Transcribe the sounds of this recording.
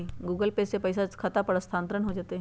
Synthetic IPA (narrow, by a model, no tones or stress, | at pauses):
iɡuːɡəlpesepɐɪsakʰɐt̪apəɽəst̪ʰãːnt̪ɾənɦod͡ʒaːt̪eɦ